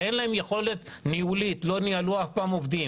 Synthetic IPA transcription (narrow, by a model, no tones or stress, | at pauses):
enlaemjexo̞le̞t̪niulit̪lo̞nialuafpaːmo̞vd̪im